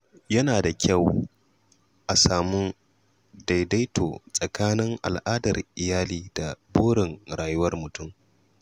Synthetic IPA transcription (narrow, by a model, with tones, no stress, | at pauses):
jɐ˦naː˨da˨kʲʰa˦˨w | ʔa˨saː˨mʊ˦n | da˨jda˦jtʰo̰ː˨sʼɐ˨kaː˦nɪ˦ŋʔa̰˨lʔaː˦dɐ˨rʔɪ˨jaː˦liː˨da˨boː˦ɽɪ˨ŋɽaː˨jʊ˦wɐ˦rmʊ˨tʊ˦˨m